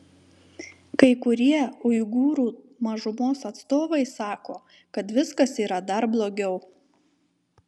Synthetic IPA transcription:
kɐɪkʊɾʲiɛʊɪɡuːɾuː | mɐʒʊmoːsɐt̪st̪oːʋɐɪsɑːkoː | kɐt̪ʋʲɪskɐsiːɾɐd̪ɐɾblˠoːɡʲɛʊ

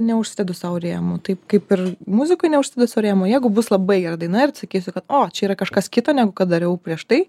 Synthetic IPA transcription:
nʲɛʊʃsʲdʲɛd̪ʊsɐʊɾʲeːmot̪ɐɪpkɐɪpɪrmʊzʲɪkɔɪnʲɛʊʃʲsʲɪd̪ʲɛd̪ʊsɐʊɾʲeːmojɛɪɡʊbʊslˠɐbɐɪɡʲɛɾɐd̪ɐɪnɐɪrtsɐkʲiːsʲʊkɐt̪oːt͡ʃʲɛiːɾɐkɐʃkɐskʲɪt̪oːnʲæːɡʊkɐt̪̚d̪ɐɾʲɛʊpʲɾʲiɛʃt̪ɐɪ

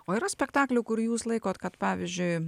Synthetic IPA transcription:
oːiɾɐsʲpʲɛkt̪ɑːklʲʊːkʊɾjuːslˠɐɪkoːt̪kɐt̪pɑːʋʲɪzʲd͡ʒʲʊɪ

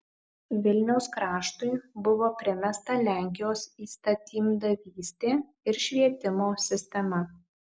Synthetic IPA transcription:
ʋʲɪlʲnʲɛʊskɾɑːʃt̪ʊɪbʊʋoːpʲɾʲɪmʲɛst̪ɐlʲæˑŋʲkʲɪjoːsiːst̪ɐt̪ʲiːmd̪ɐʋʲiːsʲt̪ʲeː | ɪɾʃʲʋʲiɛt̪ʲɪmoːsʲɪsʲt̪ʲɛmɐ

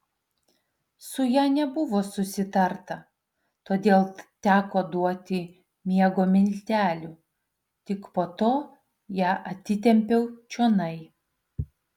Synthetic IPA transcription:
sʊjæːnʲɛbʊʋoːsʊsʲɪt̪ɐɾt̪ɐ | t̪oːd̪ʲeːlˠt̪ʲæːkoːd̪uɔt̪ʲɪ | mʲiɛɡoːmʲɪnʲt̪ʲæːlʲʊ | t̪ʲɪkpoːt̪oː | jæːʔɐt̪ʲːɪt̪ʲɛmʲpʲɛʊt͡ʃʲuɔnɐɪ

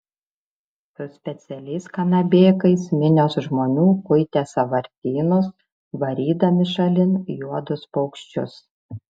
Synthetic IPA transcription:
t̪ʊsʲpʲɛt̪sʲɛlʲɛɪskɐnɐbʲeːkɐɪsmʲɪnʲoːsʒmoːnʲuːkʊɪt̪ʲɛsɐʋɐɾʲt̪ʲiːnos | ʋɐɾʲiːd̪ɐmʲɪʃɐlʲɪnjuɔd̪ʊspɐʊkʃʲt͡ʃʲʊ̰s

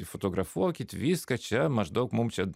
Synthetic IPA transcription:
fot̪oɡɾɐfokʲit̪ʲʋʲiskɐt͡ʃamɐʐd̪okmumt͡ʃa

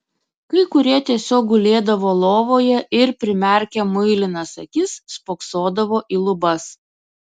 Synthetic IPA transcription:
kɐɪkʊɾʲiɛt̪ʲiɛsʲoːk̚ɡʊlʲeːd̪ɐʋoːlˠoːʋoːjɛʔɪɾpʲɾʲɪmʲɛˑɾʲkʲɛmʊɪlʲɪnɐsɐ̰kʲɪsːpoːksoːd̪ɐʋoːʔiːlˠʊbɐs

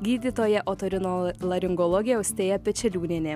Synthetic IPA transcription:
ɡʲiːd̪ʲiːt̪oːjɛʔoːt̪oɾʲɪnoːlˠɐɾʲɪŋɡɔlˠɔɡʲɪjɛʊsʲt̪ʲeːjɛpʲɛt͡ʃʲɛlʲuːnʲenʲeː

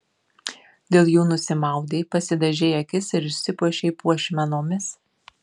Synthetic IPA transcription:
d̪ʲeːlˠjuːnʊsʲɪmɑˑʊd̪ʲeːpɐsʲɪd̪ɐʒʲɛːɐkʲɪsɪɾɪʃʲsʲɪpuɔʃʲɛɪpuɔʃʲmʲɛnoːmʲɪs

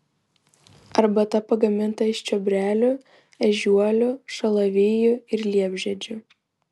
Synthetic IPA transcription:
ɐɾbɐt̪ɐpɐɡɐmʲɪnt̪ɐɪʃt͡ʃʲɔbʲɾʲæːlʲʊ | ɛʒʲuɔlʲʊʃɐlˠɐʋʲeːjʊɪɾlʲiɛbʲʒʲɛd͡ʒʲʊ

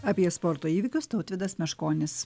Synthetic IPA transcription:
ɐpʲiɛspɔɾt̪oːiːʋʲɪkʲʊst̪ɐʊt̪ʲʋʲɪd̪ɐsmʲɛʃkoːnʲɪs

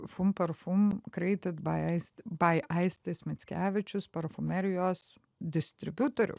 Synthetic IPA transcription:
fʊmpɐɾfumkɾʲɛɪt̪ʲɐt̪bɐɐɪst̪bɐɪʔɐɪsʲt̪ʲesʲmʲɛt̪sʲkʲæːʋʲɪt͡ʃʲʊspɐɾfʊmʲɛɾʲɪjoːs | d̪ʲɪsʲt̪ʲɾʲɪbʲut̪oɾʲʊ̰

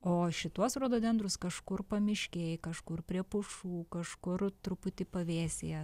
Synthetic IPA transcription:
oːʃʲɪt̪uɔsɾoːd̪oːd̪ʲɛnd̪ɾʊskɐʃkʊrpɐmʲɪʃʲkʲeːjkɐʃkʊrpʲɾʲiɛpʊʃuːkɐʃkʊrt̪ɾʊpʊt̪ʲɪpɐʋʲeːsʲejɛ

